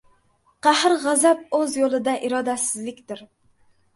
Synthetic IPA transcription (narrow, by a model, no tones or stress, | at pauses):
qæhɾʁæzɛp̚øzjolˠɨd̪ɛʔiɾɑːd̪ɛsɪzlɪkʲt̪ɪɾ